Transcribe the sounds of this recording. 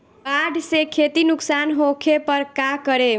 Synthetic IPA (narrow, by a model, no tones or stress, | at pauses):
kaɖʱsekʰet̪inʊksanɦokʰepəɾkakəɾe